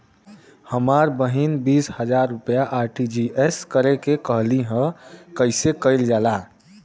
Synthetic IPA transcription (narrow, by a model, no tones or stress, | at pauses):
həmaɾbəɦinbishəd͡ʒaɾːupjaʔaɾʈid͡ʒiʔeskəɾekekəɦliɦə̃kəɪsekəɪld͡ʒaːla